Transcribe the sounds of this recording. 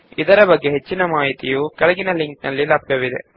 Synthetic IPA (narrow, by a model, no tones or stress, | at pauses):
id̪ɐɾɐbɐɡːeɦet͡ʃːinɐmaːɦit̪ijukɐɭɐɡinɐliŋk̚nɐlːilaːp̚kɐʋid̪ḛ